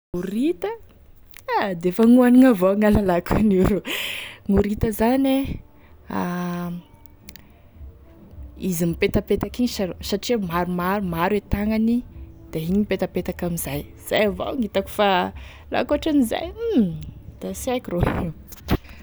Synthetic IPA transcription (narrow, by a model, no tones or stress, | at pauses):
uɾit̪ə | ad̪eefaŋuaniŋavoaŋalalakʰanuɾuŋuɾit̪əzane | a | izimipet̪apet̪akiɲisasaʈ͡ʂimaɾumaɾumaɾet̪aŋanid̪̥aiɲipet̪apet̪akamizaj | z̥a̰java̰wŋit̪aku̥fa | la̰kaʈ͡ʂaniza̰j̩ | d̪̥asekroe